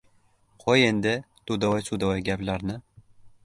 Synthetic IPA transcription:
qʰɒjend̪ɪt̪ud̪awɒjsud̪awɔjɡʲaplaɾnɪ

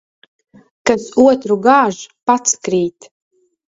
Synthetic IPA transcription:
kasuɔt̪ɾuɡaːʒpat̪skɾiːt̪

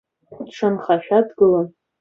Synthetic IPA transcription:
dʂanχaʃᶣadɡɨlan

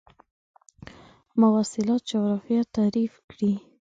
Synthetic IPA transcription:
mawɑsɪlɑt̪̚d͡ʒawɾɑfijat̪aɾifkɽi

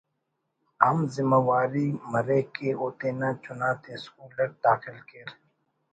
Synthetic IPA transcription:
ɐmzɪmawaːɾimɐɾekeʔoːt̪eːnat͡ʃʊnaːt̪ʰeskuːləɾd̪aːxɪlkeɾ

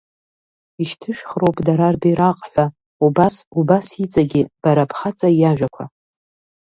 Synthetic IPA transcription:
iʃtʰɨʃᶣχrowpʰʼdaɾarbajɾaqʼħʷᶣa | ubasubasit͡sʼaɡʲɪb̥aɾapʰχat͡sʼajaʒᶣakʷʰa

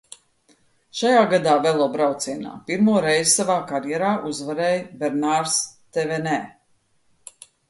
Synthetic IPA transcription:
ʃajaːɡad̪aːvɛlˠɔːbɾawt̪siɛna̰ːpiɾmuɔɾɛjzsavaːkaɾjɛɾaːʔuzvaɾɛːjbɛɾnaɾst̪evɛnɛː

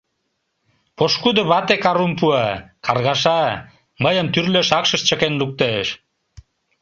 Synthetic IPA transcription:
poʃkud̪oβɑt̪ekɑɾumpuɑkɑrɣɑʃ̬ɑ | məjəmt̪yrløʃɑkʃəʃt͡ɕəkenluk̚t̪eeʃ

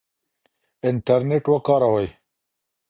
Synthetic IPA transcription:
ɪɳʈɐɾneʈwɐkɑːɾɐwɐj

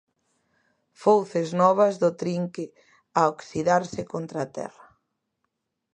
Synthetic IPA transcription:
fowθeznɔβɐzðʊt̪ɾiŋkɪ | aokθiðaɾsɪkont̪ɾat̪ɛ̰rɐ

